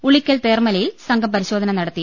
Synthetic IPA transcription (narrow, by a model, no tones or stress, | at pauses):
uɭikʲːɐlt̪eːrmɐlɐjilsɐŋɡʱɐmpɐɾiɕo̞ːd̪ʱɐnɐmnɐɽɐt̪ːi